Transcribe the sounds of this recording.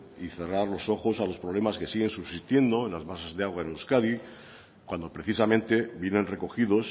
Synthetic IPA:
iθe̞raɾlo̞so̞xo̞salo̞spɾoβle̞maske̞siɣe̞nsuβsist̪je̞nd̪o̞e̞nlazβasazðeaɣwaenuskaði | kwand̪o̞pɾeθisamẽnt̪e̞bjene̞nre̞ko̞xiðo̞s

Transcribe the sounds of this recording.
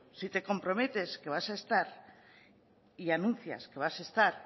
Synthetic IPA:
sit̪e̞ko̞mpɾo̞me̞t̪e̞ske̞β̞asaest̪aɾ | ianũn̟θja̰ske̞βasaest̪aɾ

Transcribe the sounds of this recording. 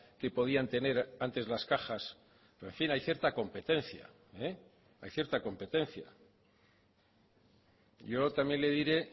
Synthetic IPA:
ke̞po̞ð̞iant̪e̞ne̞ɾant̪e̞zlaskaxas | peɱfinajθje̞ɾt̪ako̞mpe̞t̪e̞nθja̰ | e | ajθje̞ɾt̪ako̞mpe̞t̪e̞nθja̰ | ɟ͡ʝo̞t̪amje̞nle̞ðiɾe̞

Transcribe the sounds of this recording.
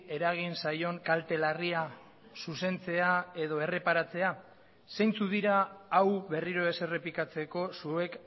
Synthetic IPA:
e̞ɾaɣ̞insajo̞ŋkalt̪e̞laria | suse̞nt͡se̞ae̞ðo̞e̞re̞paɾat͡se̞a | se̞jnt͡suðiɾaːwβe̞riɾo̞ese̞re̞pikat͡se̞ko̞sue̞k

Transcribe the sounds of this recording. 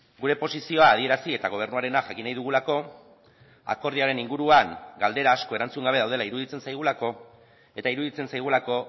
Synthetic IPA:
ɡuɾe̞po̞sisio̞aːðie̞ɾasie̞t̪aɣo̞β̞e̞ɾnuaɾe̞naʝakinajðuɣ̞ulako̞ | a̰ko̞ɾðiaɾe̞niŋɡuɾuaŋɡald̪e̞ɾaːsko̞e̞ɾant͡suŋɡaβe̞ðawð̞e̞laiɾuðit͡se̞nsajɣ̞ulako̞ | e̞t̪aiɾuðit͡se̞nsajɣ̞ulako̞

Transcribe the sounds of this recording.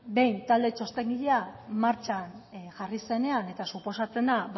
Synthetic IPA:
be̞jnt̪ald̪e̞t͡ʃo̞st̪e̞ŋɡiʎeamaɾt͡ʃanʝarise̞ne̞ane̞t̪asupo̞sat͡se̞nab

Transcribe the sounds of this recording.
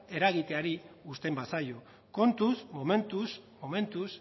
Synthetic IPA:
e̞ɾaɣit̪e̞aɾiust̪e̞mbasajo̞ | ko̞nt̪usmome̞nt̪usmo̞me̞nt̪us

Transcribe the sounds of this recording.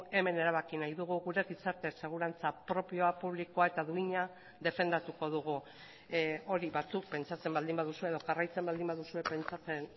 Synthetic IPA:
e̞me̞ne̞ɾaβakinajðuɣ̞uɣuɾe̞ɣisaɾt̪e̞se̞ɣ̞uɾant͡sapɾo̞pio̞apuβ̞likoae̞t̪aðuiɲa | ðe̞fe̞nd̪at̪uko̞ð̞uɣ̞u | o̞ɾiβat͡suk̚pe̞nt͡ʃat͡se̞mbald̪imbaðusue̞ðo̞ɣarajt͡se̞mbald̪imbaðusue̞pe̞nt͡ʃat͡se̞n

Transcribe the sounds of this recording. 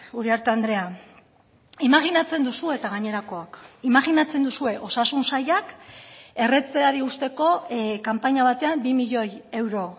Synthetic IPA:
uɾiaɾt̪eand̪ɾe̞a | imaɣinat͡se̞nd̪usue̞t̪aɣaɲe̞ɾako̞akimaɣinat͡se̞nd̪usue̞ʔo̞sasunsajake̞re̞t͡seaɾiust̪e̞ko̞kampaɲaβ̞at̪e̞ambimiʎo̞je̞wɾo̞

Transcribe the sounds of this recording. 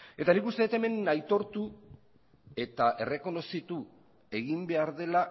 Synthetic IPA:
e̞t̪anikust̪eet̪e̞me̞najt̪o̞ɾt̪u | e̞t̪aʔe̞re̞ko̞no̞sit̪u | e̞ɣimbe̞aɾð̞e̞la

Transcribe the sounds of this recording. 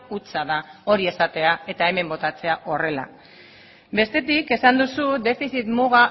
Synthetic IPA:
ut͡saðao̞ɾie̞sat̪e̞ae̞t̪ae̞me̞mbo̞t̪at͡se̞aʔo̞re̞la̰ | be̞st̪e̞t̪ike̞sand̪usud̪e̞fiθit̪muɣa

